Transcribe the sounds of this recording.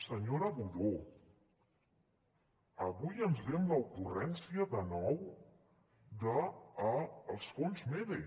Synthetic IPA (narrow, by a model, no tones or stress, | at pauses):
səɲoɾəβuðo | əβujənzβɛmləukurɛnsiəðənɔw | d̪əː | lˠsfonzmeðe